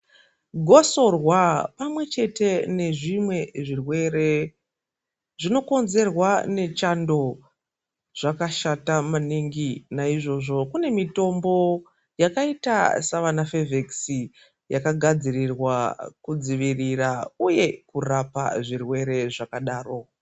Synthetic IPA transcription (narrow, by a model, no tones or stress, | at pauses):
ɡʱo̞so̞rwapamwe̞t͡ʃe̞te̞ne̞ʐimwe̞ʐirwe̞ɾe̞ | ʐino̞ko̞nze̞rwane̞t͡ʃando̞ | ʐ̥akaʃatamaniŋɡinaiʐo̞ʐo̞kune̞mito̞mbo̞ | jakaita̰saʋanafeveksi | jakaɡʱad͡zirirwakud͡ziʋirirauje̞kurapa̰ʐirwe̞ɾe̞ʐakaɗaːro̞